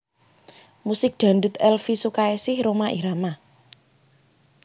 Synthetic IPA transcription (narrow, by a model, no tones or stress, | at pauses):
musɪk̚d̪̥ä̤ndut̪ɛlfisukaesɪhɾomaʔiɾama